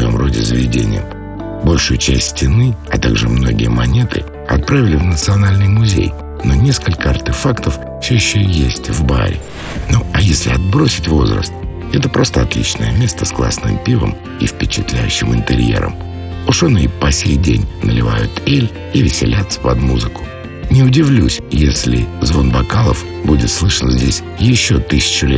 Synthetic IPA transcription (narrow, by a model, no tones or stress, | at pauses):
ssɐjo̞̰mro̞dʲɪzəvʲɪdʲḛnʲɪ̰jəm | bo̞lʲʂʊjʊt͡ɕæsʲtʲsʲtʲɪnɨɐt̪aɡʐɨmno̞ɡʲɪjəmɐnʲe̞t̪ɨ̰ | ɐt̪̚pɾavʲɪlʲɪvnət̪sɨɐnalʲnɨjmʊzʲḛj | nonʲeskəlʲkəɐrtʲɪfakt̪əf | fsʲɵjɪɕːɵjesʲtʲvba̰ɾʲɪ | noɐjesʲlʲɪɐd̪̚bɾo̞sʲɪtʲvo̞zrə̰st̪̚ | ɛt̪əpɾo̞st̪əɐt̪lʲḭt͡ɕnə̰jəmʲe̞st̪əsklˠa̰snɨ̰mpʲivə̰m | ifʲpʲɪt͡ɕɪt̪lʲæjʉ̰ɕːɪmɨnt̪ɨɾʲjḛɾə̰m | ʊʂonɨipɐsʲejdʲenʲnəlʲɪva̰jʊt̪elʲ | ivʲɪsʲɪ̰lʲat̪sə̥vɐ̰d̪muzɨkʊ̥ | nʲɪʊdʲɪvlʲusʲjesʲlʲɪzvo̞nbɐkalˠəf | budʲɪt̪slˠɨʂənzʲdʲesʲ | jɪɕːot̪ɨsʲɪ̥t͡ɕʊlʲet̪